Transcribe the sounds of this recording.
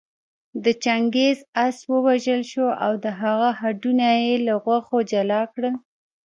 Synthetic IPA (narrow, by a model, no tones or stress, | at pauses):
d̪ət͡ʃaŋɡezaswəwaʒəlʃoʔa̰wd̪əɦaɣaɦaɖunajelaɣwaxod͡ʒalɑkɽəl